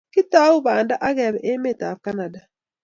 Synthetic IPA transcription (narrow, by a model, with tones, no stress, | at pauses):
ki˦taː˦u˦βaː˨nda˦ʔa˦ɣɛ˨βɛ˨ʔe˦me˦˨ta˨fka˦na˨da˨